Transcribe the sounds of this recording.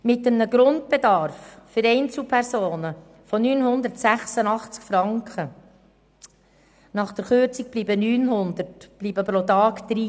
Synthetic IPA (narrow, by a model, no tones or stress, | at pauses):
mɪtːəmnəɡɾʊnt̚b̥ed̪ɑɾfːʏɾɛɪnt͡sl̩ˠpʰæɾsoːnə | fonyːnhʊnd̪əɾtsæχsənɑχt͡skfɾɑŋkχə | nɑχd̥̪əɾχʏɾt͡sik̚b̥liːbənyːnɦʊnd̪ərtb̥liːbəpɾot̪ɑːkd̪̥ɾi